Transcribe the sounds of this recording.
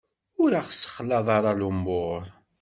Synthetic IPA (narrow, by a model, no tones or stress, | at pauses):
ʊɾaχsə̥χlɑðˤɑɾˤɑlumboɾˤ